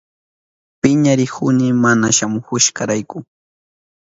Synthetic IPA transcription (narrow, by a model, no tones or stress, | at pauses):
pɪɲaɾɪhʊnɪmanaʃamʊkʊʃkɑɾajkʊ